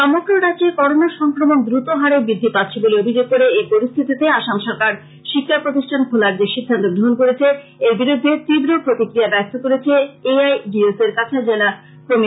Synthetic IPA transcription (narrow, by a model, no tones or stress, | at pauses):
ʃɔmokɾoɾat͡ɕekɔɾonaʃɔŋkɾomond̪ɾut̪oɦaɾebid̪ʱːipat̪ːɕʰeboleobʱid͡ʑoɡ̚koɾeepoɾist̪ʰit̪it̪eaʃamʃɔɾkaɾ | ʃikʰːaɾpɾot̪iʃʈʰankʰulaɾd͡ʑeʃid̪ʱːant̪oɡɾoɦonkoɾet͡ɕʰe | eɾbiɾud̪ʱːet̪ibɾopɾot̪ikɾiabɛs̚t̪okoɾet͡ɕʰeeajɖieseɾkat͡ɕʰad͡ʑela | kɾomi